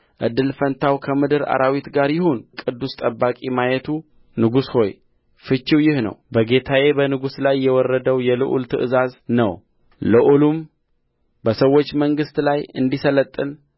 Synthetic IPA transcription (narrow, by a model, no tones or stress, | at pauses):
ʔɨd̪ːɨlfənt̪ʰawkʰəmɨd̪ɨɾa̰ɾʔawit̪ɡaɾjɪhonkʼɨd̪ːust̪ʼəbːakʼimajɛt̪ʰu | nɨɡusho̞j | fɨt͡ʃːiwjɪhnə̰wbəɡe̞t̪ʰaje̞bənɨɡuslajːɛwɔrːəd̪əwjɛlɨʔṵlt̪ʰɨʔɨzaznə̰w | lɨʔulum | bəsəwːot͡ʃːməŋɡɨst̪lajɨnd̪isələt̪ʼːɨn